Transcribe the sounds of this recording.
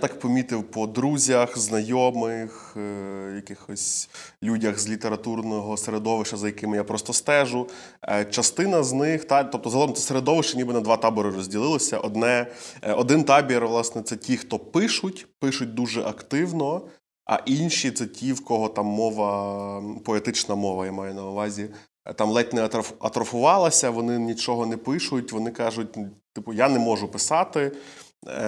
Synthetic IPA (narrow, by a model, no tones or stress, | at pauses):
jt̪ɑkpɔmʲit̪ɪwpɔd̪ɾuzʲɐxznɐjɔmɪx | jɐkɪxɔsʲlʲudʲɐxzlʲit̪eɾɐt̪urnɔɦɔseɾed̪ɔʋɪʃt͡ʃɐzɐjɐkɪmɪjapɾɔst̪ɔst̪ɛʒʊ | t͡ʃɐst̪ɪnɐznɪxt̪ɑt̪ɔp̚t̪ɔzɦɔlˠɔmsɛseɾed̪ɔʋɪʃt͡ʃɐnʲibɪnɐd̪ʋɑt̪ɑbɔɾɪɾɔzʲdʲilˠɪlˠɔsʲɐʔɔd̪nɛɔd̪ɪnt̪ɑbʲiɾʋlˠɑsnɛt̪sɛtʲixt̪ɔpɪʃʊtʲpɪʃʊt̚ʲd̪uʒɛʔɐkt̪ɪwnɔ | ɐ̰ʔinʲʃʲit̪sɛtʲʰiwkɔɦɔt̪ɑmːɔʋɐ | pɔet̪ɪt͡ʃnɐmɔʋɐjamɑjɛnɐʊʋɑzʲi | t̪ɑmlˠɛtʲnɛɐt̪ɾɐɐt̪ɾɐfʊʋɑlˠɐsʲɐʋɔnɪnʲit͡ʃɔɦɔnɛpɪʃʊtʲʋɔnɪkɑʒʊt̚ʲt̪ɪpʊjanɛmɔʒʊpɪsɑt̪ɪ